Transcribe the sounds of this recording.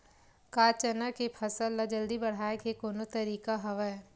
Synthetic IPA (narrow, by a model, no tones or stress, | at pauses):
kaːt͡ʃənakepʰɐsəlːad͡ʒɐld̪ibɐɽ̤aːekekoːnot̪ɐɾiːkaɦɐʋəɛ